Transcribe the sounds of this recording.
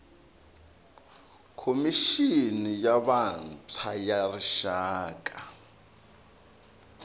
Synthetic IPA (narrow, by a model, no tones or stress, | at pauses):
kʰomiʃinijaβant͡sʰajariʃaːk̬ʼa